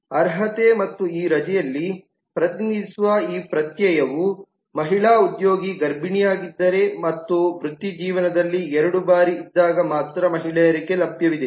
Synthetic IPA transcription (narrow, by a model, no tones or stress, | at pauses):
ɐɾɦɐt̪emɐt̪ːuiːɾɐd͡ʒɛjɐlːi | pɾɐt̪inid̪isuʋɐiːpɾɐt̪jɐjɐʋu | mɐɦiɭaːud̪jo̞ːɡiɡɐɾbiɳijaːɡid̪ːɐɾe̞mɐt̪ːuʋɾut̪ːjid͡ʒiːʋɐnɐd̪ɐlːiɛɾɐɽubaːɾiːd̪ːaːɡɐmaːt̪ɾɐmɐɦiɭɛjɐɾiɡelɐbjɐʋid̪e